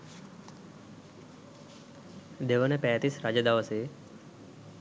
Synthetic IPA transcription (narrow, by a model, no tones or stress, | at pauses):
d̪eʋənepɛ̃t̪isɾad͡ʒəd̪aʋəse